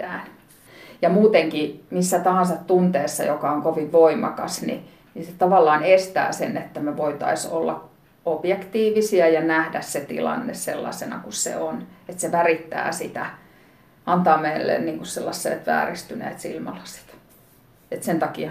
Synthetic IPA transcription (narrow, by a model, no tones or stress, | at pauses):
æːn | jɑmuːt̪eŋkimisːæt̪ɑhɑnsɑt̪t̪unt̪eːsːɑjokɑoŋkoʋiʋʋoimɑ̰kɑsnḭ | niset̪ɑʋɑlːɑːnest̪æ̰ːsḛnet̪ːæmeʋoit̪ɑ̰iso̰lːɑ̰ | ob̥jekt̪iːʋisiæjɑnæhdæsset̪ḭlɑ̰nːessḛlːɑ̰senɑ̰kussḛonet̪seʋærit̪ːæ̰ːsit̪æ | ʔɑnt̪ɑːmeilːḛnniːŋkusselːɑsːḛːt̪ʋæ̰ːrist̪ynḛːt̪sḭlmɑlɑse̥t̪ | et̪sent̪ɑki